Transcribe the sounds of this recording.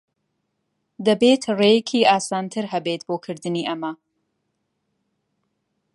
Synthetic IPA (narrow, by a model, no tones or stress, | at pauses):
d̪ɐbeːt̪ʰrejekʰiːaːsaːnt̪ʰɨɾɦɐbeːt̪boːkʰɨɾd̪ɨniːʔɐmɐ